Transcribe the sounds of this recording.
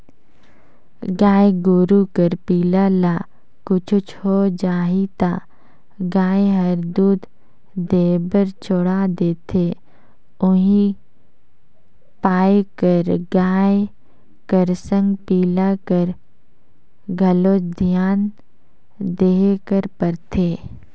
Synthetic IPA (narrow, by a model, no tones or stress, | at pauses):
ɡaːeɡoːɾukəɾpiːlalaː | kʊt͡ʃʰʊt͡ʃʰɦod͡ʒaːɦit̪aː | ɡaːeɦəɾd̪uːd̪ | d̪eːbəɾt͡ʃʰoɽad̪eːt̪ʰe | ʊɦĩ | paːekəɾɡaːe | kəɾsə̃ŋɡpiːlakəɾ | ɡʱəloːd̪ʱijaːn | d̪eːkəɾpəɾt̪ʰeː